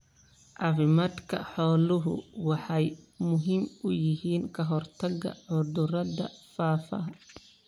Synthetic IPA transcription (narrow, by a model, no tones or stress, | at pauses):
ʔɑfɪmaːd̪kʰɐ̰ħɔːlʊɦʊ̰wɑħɑjmʊɦɪmʊjɪɦiːnkʰɐɦɔrt̪ʰɐɡɐ̰ʕʊd̪ʊrɐðɐ̰faːfɐ̰